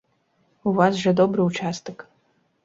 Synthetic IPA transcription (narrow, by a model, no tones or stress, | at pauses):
uvasʐɐd̪obrɨut͡ʃʰast̪ɨk